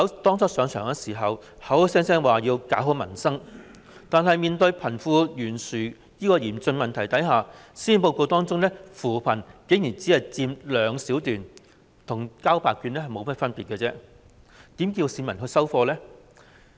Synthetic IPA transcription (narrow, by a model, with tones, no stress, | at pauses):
hɐ˨˧wt̪ɔː˥ŋt͡sʰɔ˥sœː˨˧ŋt͡ʃʰœ̰ː˨˩ŋɛ˥siː˨˩ɦɐ˨whɐ˨˥whsɛː˥ŋsɛː˥ŋwaː˨˩jiː˧wkaː˨˥wɦɵ˨˧˥mɐ˨˩nsɐ˥ŋ | t̪aː˨nɦɐ˨jmiː˨nt̪ɵ˧ɥpʰɐ˨˩nfuː˧jyː˨˩nsyː˨˩ | jiː˥kɔː˧jiː˨˩mt͡sɵ˧nmɐ˨˩nt̪ʰɐ˨˩jt̪ɐ˨˥jɦaː˨siː˥npo˧wko˧t̪ɔː˥ŋt͡sʊ˥ŋlɛː˥fuː˨˩pʰɐ˨˩nke˨˥ŋjyː˨˩nt͡siː˨˥hɐ˨jt͡siː˧mlœː˨˧ŋsiː˨˥wt̪yː˨n | t̪ʰʊ˨˩ŋkaː˥wpaː˨kːyː˧nlɛː˥hɐ˨jmo˨˧wmɐ˥t̚fɐ˥npiː˨t̚kɛ˧t͡sɛː˥ | t̪i˨˥mkiː˧wsiː˨˧nmɐ˨˩nɦɵ˧sɐ˥wfɔː˧lɛː˥